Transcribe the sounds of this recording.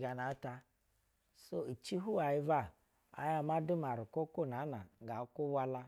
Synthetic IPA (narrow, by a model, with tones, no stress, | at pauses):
ɡa˨na˨˦ta˦ | so˦i˨t͡ʃi˦ɦu˦a˨ji˦va˦˨ | a̰˦ja˦ma˦dʊ˦ma˨ɾʊ˨ko˦ku˦˨na˨˦na˨ɡa˨˦ku˦wa˦la˦